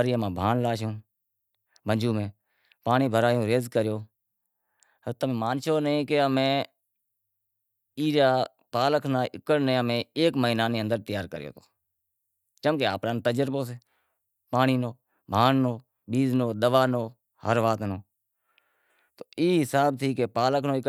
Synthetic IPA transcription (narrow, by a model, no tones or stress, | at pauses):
ɾiːmãːbʱaːnlaːʃõː | bʱənd͡ʒuːmẽː | paːniːbʱəɾaːjõːɾeːzkəɾjoː | ət̪əmẽːmaːnʃoːnəĩːkeəmẽː | iːɾaː | paːləkʰnaːʔɪkːəɽnẽːəmẽːeːkməiːnaːnẽːə̃nd̪əɾt̪ɪjaːɾkəɾjo̰ːt̪oː | t͡ʃəmkeːa̰ːpɾaːnːt̪əd͡ʒəɾpoːs̬eː | paːniːnoː | bʱaːnːoː | ɓiːznoːd̪əʋaːnoː | həɾʋaːt̪noː | t̪oːiːɦɪsaːb̚t̪ʰiːkeːpaːləkʰnõːɪk